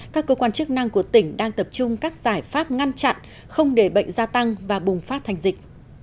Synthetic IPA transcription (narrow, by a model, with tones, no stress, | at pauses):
kaː˦˥kːəː˧kwaː˧nt͡ɕɨ˦˥k̚na˧ŋku˧˩ət̪ï˧˩˦ŋ̟ɗaː˧ŋt̪ə˨˩p̚t͡ɕʊ˧ŋ͡mkaː˦˥k̚z̥aː˧˩jfaː˦˥p̚ŋa˧nt͡ɕa̰˧˨n | xə˧wŋ͡mɗe˧˩ɓə̰˧˨jŋ̟zaː˧t̪a˧ŋvaː˨˩ɓʊ˨˩ŋ͡mfaː˦˥t̚t̪ʰa˨˩jŋ̟zï˨˩k̟̚